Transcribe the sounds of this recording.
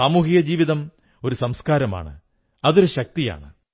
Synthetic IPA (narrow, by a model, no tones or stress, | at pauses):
aːmuːɦijɐd͡ʑiːʋiðɐm | o̞ɾusɐmskaːɾɐma̰ːɳɨ̰ | ɐðo̞ɾuɕɐk̚t̪ija̰ːɳɨ